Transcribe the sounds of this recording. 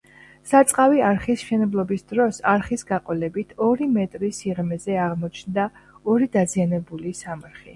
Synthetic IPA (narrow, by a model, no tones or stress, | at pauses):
sat̪sʼqʼaviaɾχisʃɛnɛblˠɔbisd̪ɾɔsaɾχisɡaqʼɔlɛbit̪ʰɔɾimɛt̪ʼɾisiʁmɛzɛaʁmɔt͡ʃʰnd̪aɔɾid̪azianɛbulisamɾχi